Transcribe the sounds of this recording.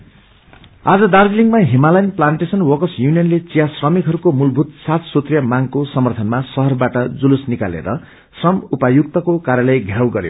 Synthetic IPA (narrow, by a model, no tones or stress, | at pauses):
ad͡zʌd̪ard͡zliŋɡmaɦimalajnplanʈesʌnwʌkʌsjunijʌnlet͡sijasrʌmikɦʌɾukomulbʱut̪sat̪sot̪rjʌmaŋkosʌmʌrt̪ʰʌnmasʌɦʌrbaʈʌd͡zulusnika̰lḛɾʌ | srʌmupajuk̚t̪ʌkokaɾjalʌjɡʱawɡʌɾjo̰